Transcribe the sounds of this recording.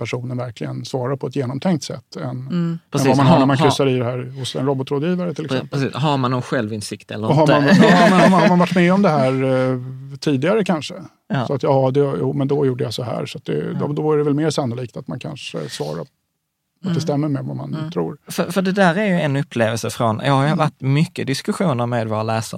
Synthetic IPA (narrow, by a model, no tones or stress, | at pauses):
pʰæʂuːnənvæɾklɪɡənsvɑːɾaɾpʰɔɛt̪jeːnɔmt̪ʰɛŋk̚t̪sɛ̰t̪ːɛnɛvamanɦaɾɳæɾmankɾʏsːaɾɪd̪ɛɦæːɾhʊsɛ̰nɾɔbɔt̪ɾoːd̪jiːvaɾət̪ʰɪlːɪkɛmpəɦaɾmanːɔnɧɛlvɪnsɪkt̪ɛ̰ləɾɦaɾmanmɛnhamanhaɾmanvaʈːmɛːɔmd̪ɛɦæːɾ | t̪ʰiːd̪ɪɡaɾəkʰanʂə | ɑːsɔat̪jɑːd̪ɛjṵːmɛnd̪ɔjuːɖəjasɔɦæ̰ːɾsɔat̪̚d̪ɛ̰d̪ɔd̪ɔæɾɖɛvɛlmeːɾsanːʊliːkt̪at̪ma̰nkʰa̰nʂə̰svɑ̰ːɾa̰ | at̪d̪ɛst̪ɛmːəɾmɛva̰ma̰nt̪ʰɾṵːɾfœfœɖɛd̪æːɾæɾjɵɛnɵpʰːleːvəlsəfɾɔnjʔɑːɡhaɾjɵvaʈːmʏkːəd̪ɪskɵɧuːnəɾmeːd̪voːɾalæːsa̰